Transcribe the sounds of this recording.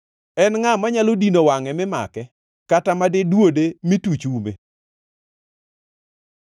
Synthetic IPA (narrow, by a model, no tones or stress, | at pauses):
ɛnŋamaɲalodinowaŋɛmɪma̰kɛ | katamadɪdwodemitut͡ʃumḛ